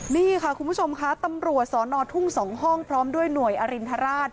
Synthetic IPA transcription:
niː˥˩kʰa˥˩kʰu˧nbʰu˥˩t͡ɕʰo˧mkʰa˦˥t̪a˧mɾu˨˩ət̪̚sɔː˩˦nɔː˧t̪ʰu˥˩ŋsɔː˩˦ŋɦɔ˥˩ŋpʰɾɔː˦˥mdu˥˩əjnu˨˩əjʔa˧ɾi˧nt̪ʰa˧˥ɾaː˥˩t̪̚

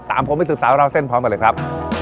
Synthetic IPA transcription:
t̪a̰ː˨˦mpʰo˨˦mː˧˩sɯ˨˩saː˩˦wɾa˧wse˥˩npʰɾɔː˦˥mklə˧˩kʰɾa˦˥p̚

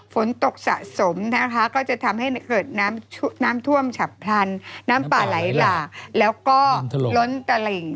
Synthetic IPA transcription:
fo˨˩˦nt̪o˨˩k̚sa̰˨˩ʔso˩˦mna˦˥kʰa˦˥kɔː˥˩t͡ɕa˨˩t̪ʰa˧mha˥˩jkɤː˨˩t̪̚naː˦˥mʰnaː˦˥mt̪ʰu˥˩əmt͡ɕʰa˨˩ppʰla˧nːaː˦˥mpaː˨˩la˩˦jlaː˨˩k̚lɛː˦˥wkɔː˥˩lo˦˥nt̪a˧le˨˩ŋ

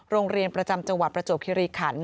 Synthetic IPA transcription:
ɾoː˧ŋɾi˧ənpɾa˧t͡ɕa˧mt͡ɕa˧ŋwa˨t̪̚pɾa˧t͡ɕoː˨˩p̚kʰi˧ɾiː˧kʰaː˨˩˦nː

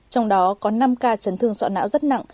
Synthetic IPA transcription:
t͡ɕɔ˧wŋ͡mɗɔ˨˦kɔ˨˦na˧mkaː˧t͡ɕə˨˦nt̪ʰɨ˧əŋswa̰˧˨˩na̰ː˧˥wzə˦˥t̚na̰˧˨ŋʔ

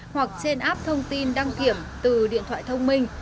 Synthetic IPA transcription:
hwa˨˩k̚t͡ɕe˧nʔaː˦˥p̚t̪ʰə˧wŋ͡mt̪i˧nɗa˧ŋki˧˩əmt̪ɨ˨˩ɗḭ˧˨ət̪ʰwa̰ː˧˨jt̪ʰə˧wŋ͡mmï˧ŋ̟

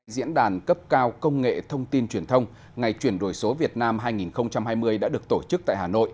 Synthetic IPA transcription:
zḭ˧˥ənɗaː˨˩nkə˦˥p̚kaː˧wkə˧wŋ͡mŋḛ˧˨t̪ʰə˧wŋ͡mt̪i˧nt͡ɕwi˨˩ənt̪ʰə˧wŋ͡m | ŋa˨˩jt͡ɕwi˧˩ənɗo˧˩jso˨˦vi˨˩ət̚naː˧mɦaː˧jŋi˨˩nxə˧wŋ͡mt͡ɕa˧mhaː˧jmɨ˧əjɗa̰ː˧˥ɗɨ˨˩ək̚t̪o˧˩t͡ɕɨ˦˥k̚t̪a̰ː˧˨haː˨˩no̰˧˨jʔ

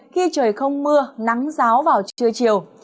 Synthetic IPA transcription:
xi˧t͡ɕəː˨˩jxə˧wŋ͡mmɨ˧əna˨˦ŋzaː˨˦wvaː˨˩wt͡ɕɨ˨˧˩ət͡ɕi˨˩əw

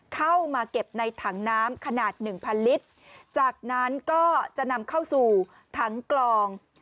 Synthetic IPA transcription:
kʰa˥˩wmaː˧ke˨˩p̚na˧jt̪ʰa˩˦ŋnaː˦˥mkʰa˧naː˨˩t̪̚nɯ˨˩ŋpʰa˧nli˦˥t̚ | t͡ɕaː˨˩k̚na˦˥nkɔː˥˩t͡ɕa˨˩ʔna˧mkʰa˥˩wsuː˨˩ | t̪ʰa˦˥ŋklɔː˧ŋ

